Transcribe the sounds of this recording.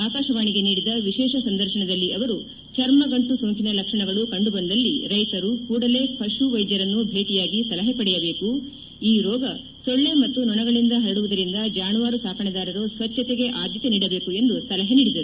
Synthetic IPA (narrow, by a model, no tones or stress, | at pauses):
aːkaːʃɐʋaːɳiɡe̞niːɽid̪ɐʋiʃɛːʃɐsɐnd̪ɐɾʃɐɳɐd̪ɐlːiʔɐʋɐɾu | t͡ʃɐɾmɐɡɐɳʈusoːŋkinɐlɐkʂɐɳɐɡɐɭukɐɳɖubɐnd̪ɐlːiɾɐjt̪ɐɾukuːɽɐle̞ːpʰɐʂuʋɐjd͡ʒ̪jɐɾɐnːubʱe̞ːʈijaːɡisɐlɐɦɐpɐɽɛjɐbe̞ːku | iːɾɔːɡɐ | sɔɭːe̞mɐt̪ːunɔɳɐɡɐɭind̪ɐɦɐɾɐɽuʋud̪ɐɾind̪ɐd͡ʒaːnuʋaːɾusaːkʰɐɳɐd̪aːɾɐɾosʋɐt͡ʃːɐt̪eɡe̞ʔaːd̪ʱjɐt̪eniːɽɐbe̞ːkue̞nd̪usɐlɐɦɐniːɽid̪ɐɾu